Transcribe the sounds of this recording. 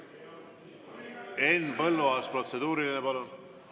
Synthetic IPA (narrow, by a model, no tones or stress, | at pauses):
enːpɤlːuɑspro̞t̪se̞d̪̥uːɾilinepɑlun